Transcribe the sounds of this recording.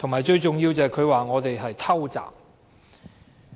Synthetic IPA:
t̪ʰʊ˨ŋmaː˨˩jt͡ʃɵ˧ɥt͡sʊ˨ŋjiː˧wt͡sɛː˨kʰɵ˨˧ɥwaː˨ŋɔː˨˧t̪e˨jɦɐ˨jt̪ʰɐ˥wt͡sa̰ː˨˩m

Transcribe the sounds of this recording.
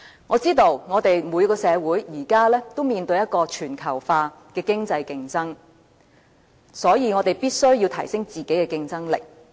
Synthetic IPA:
ŋɔː˨˧t͡siː˥t̪o˧wŋɔː˨˧t̪e˨jmu˨˧jkɔː˧sɛː˨˧wuː˨˥jjiː˨˩kaː˥lɛː˥t̪o˥wmiː˨˧nt̪ɵ˧ɥjɐ˥t̚kɔː˧t͡ʃʰyː˨˩nkʰɐ˨˩wfaː˧ | kɛː˧kɪ˥ŋt͡sɐ˧jkɪ˧ŋt͡sɐ˥ŋ | sɔː˨˥jiː˧ŋɔ˨˧t̪e˨jpiː˥t̚sɵ˥ɥjiː˧wt̪ʰɐ˨˩jsɪ˥ŋt͡siː˨ke˨˥jkɛː˧kɪ˧ŋt͡sɐ˥ŋlɪ̰˨˩k̚

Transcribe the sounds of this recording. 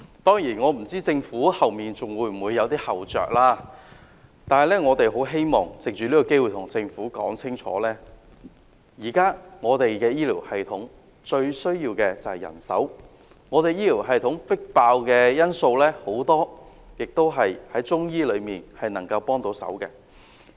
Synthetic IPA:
t̪ɔː˥ŋjiː˨˩nŋɔː˨˧m̩˨˩t͡siː˥t͡sɪ˧ŋfuː˨˥hɐ˨wmiː˨˩nt͡sʊ˨ŋwuː˨˧jm̩˨˩wu˨˧jːɐ˨˧wt̪iː˥hɐ˨wt͡ʃœ̰ː˨k̚laː˥ | t̪aː˨nhɐ˨jlɛː˥ŋɔː˨˧t̪e˨jɦo˨˥wɦe˥jmɔː˨˩ŋt͡sɪ˨k̚t͡ʃyː˨liː˥kɔ˧ke˥jwuː˨˩t̪ʰʊ˨˩ŋt͡sɪ˧ŋfuː˨˥kɔ̰ː˨˥ŋt͡sʰɪ˥ŋt͡ʃʰɔ̰ː˨˥lɛː˥ | jiː˨˩kaː˥ŋɔː˨˧t̪e˨jkɛː˧jiː˥liː˨˩whɐ˨jt̪ʰʊ˨˥ŋ | t͡ʃɵ˧ɥsɵ˥ɥjiː˧wkɛː˧t͡sɐ˨whɐ˨˩jɐ̰˨˩nsɐ̰˨˥w | ŋɔː˨˧t̪e˨jiː˥liː˨˩wɦɐ˨jt̪ʰʊ˨˥ŋpɪ˥k̚paː˧wkɛː˧jɐ˥nso˧wlɛː˥ho˨˥wt̪ɔː˥ | jɪ˨k̚t̪o˥wɦɐ˨jhɐ˨˥jt͡ʃʊ˥ŋjiː˥lɵ˨˧miː˨nhɐ˨jnɐ˨˩ŋkɐ˧wpɔː˥ŋt̪o˨˥wsɐ̰˨˥wkɛː˧

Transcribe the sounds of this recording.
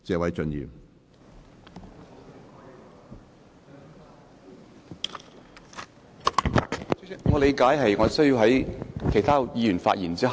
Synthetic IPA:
t͡sɛː˨˧wɐ˨˥jt͡ʃɵ˧njḭ˨w | ŋɔː˨˧le˨˧jkaː˨˥jɦɐ˨jŋɔː˨˧sɵ˥ɥji˧wɦɐ˨˥jkʰe˨˩jt̪ʰaː˥jiː˨˧jyː˨˩nfa̰ː˧t̚jiː˨˩nt͡siː˥

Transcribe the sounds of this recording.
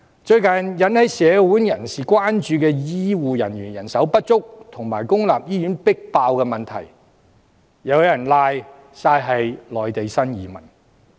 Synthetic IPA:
t͡ʃɵ˧ɥkɐ˨njɐ˨˥nhɐ˨˧jsɛː˨˧wuː˨˥njɐ˨˩nsiː˨kwaː˥nt͡ʃyː˧kɛː˧jiː˥wuː˨jɐ˨˩nɥyː˨˩njɐ˨˩nsɐ˨˥wpɐ˥t̚t͡sʊ˥k̚t̪ʰʊ˨˩ŋmaː˨˩jkʊ˥ŋlaː˨p̚jiː˥jyː˨˥npɪ˥k̚paː˧wkɛː˧mɐ˨nt̪ʰɐ˨˩j | jɐ˨˧wjɐ˨˩nlaː˧j | saː˧jɦɐ˨jlɔː˨jt̪e˨jsɐ˥njiː˨˧mɐ̰˨˩n

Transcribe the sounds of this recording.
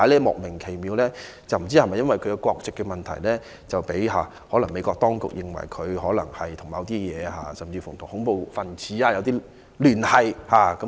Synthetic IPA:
a˨˧˥lɛː˥mɔ̰ː˨k̚mɪ˨˩ŋkʰe˨˩jmiː˨˧wlɛː˥ | t͡sɐ˨wm̩˨˩t͡siː˥ɐ˨mɐ˨jɐ˥nwʋɐ˨jkʰɵ˨˧˥kɛ˧kʷɔː˧k̚t͡sɪ˨kːɛ˧mɐ˨nt̪ʰɐ̰˨˩jlɛː˥ | t͡sɐ˨wpe˨˥jɦaː˨ | hɔː˨˥lɐ˨˩ŋme˨˧jkʷɔː˧k̚t̪ɔː˥ŋkʊ̰˨k̚jɪ˨ŋwɐ̰˨˩jkʰɵ˨˧ɥɦɔː˨˥lɐ˨˩ŋhɐ˨jt̪ʰʊ˨˩ŋmɐ˨˧wt̪iː˥jɛː˨˧ɦaː˨sɐ˨mt͡siː˧fʊ˨˩ŋt̪ʰʊ˨˩ŋhʊ˨˥ŋpo˨˧wfɐ˨nt͡sʰiː˨˥aː˧jɐ˨˧wt̪iː˥ | lyː˨˩nhɐ˨jhaː˨kɐ˨˥

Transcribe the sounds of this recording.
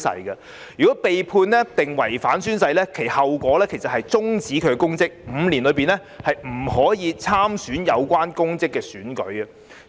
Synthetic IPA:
sɐ̰˧jɡɐ˧ | jyː˨kɔː˨˥pe˨jpʰuː˧nlɛː˥t̪ɪ˨ŋwɐ˨˩jfaː˨˥nsyː˥nsɐ˧jlɛː˥kʰe˨˩hɐ˨wkʷɔː˨˥lɛː˥kʰe˨˩jsɐ˨t̚hɐ˨jt͡sʊ˥ŋt͡siː˨˥kʰɵ˨˧ɥkɛ˧kʊ˥ŋt͡sɪ˥k̚m̩ː˨˧liː˨˩nlɵ˨˧ɥpiː˨nɛ˥ | hɐ˨jm̩˨˩hɔː˨˥jiː˨˧t͡sʰaː˥msyː˨˥njɐ˨˧wkʷaː˥nkʊ˥ŋt͡sɪ˥kːɛː˧syː˨˥nkɵ̰˨˥ɥɐ˨

